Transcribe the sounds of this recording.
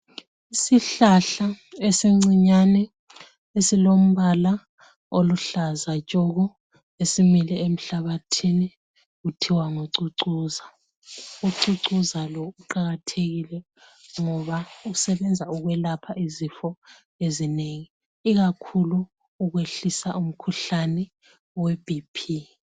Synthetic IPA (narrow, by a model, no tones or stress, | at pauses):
isiɬaɬaeseŋ͡ǀiɲanɛ | esilom̩βala | oluɬazat͡ʃʼoɣɔ | esimiliem̩ɬaβatʰini | ɣutʰiwaŋoǀuǀuːza | uǀuǀuzalɔuǃaɣatʰeɣilɛ | ŋɔβausɛβɛnd͡zʱauɣwɛlapʰaʔizifɔ | ezineŋiː | ɣakʰuluː | ɣweɬisaʔum̩kʰuɬanɛ | web̥ʱipʰi